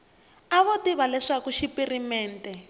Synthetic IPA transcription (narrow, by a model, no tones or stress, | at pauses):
aβɔtiβalɛʂakuʃipirimɛːntɛ